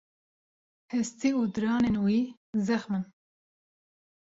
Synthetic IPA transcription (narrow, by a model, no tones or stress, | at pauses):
hɛst̪iuːd̪ɨɾɑːnenwiː | zɛxmɨn